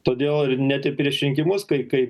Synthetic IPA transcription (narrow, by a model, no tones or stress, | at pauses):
t̪oːd̪ʲeːlˠɪrnʲæt̪ʲɪpʲɾʲiɛʃʲɾʲɪŋʲkʲɪmʊskɐɪkɐɪp